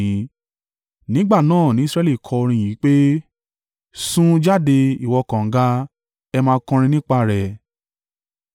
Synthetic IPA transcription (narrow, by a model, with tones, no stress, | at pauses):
ĩ˨˦ | nĩ˦ɡ͡ba˦˨nãː˦˨nĩ˨˦sɾɛ˦li˦˨kʰɔ˧o˧ɾĩ˧˨jĩ˨˦k͡pe˦ | sũ˦d͡ʒa˦de˧i˦˨wɔ˧kã˨ŋ̩˨˦ɡa˧˦ | ɛ˧mãː˧˦kɔ̃˧ɾ̃ĩ˧nĩ˦k͡pa˧˨ɾɛ˨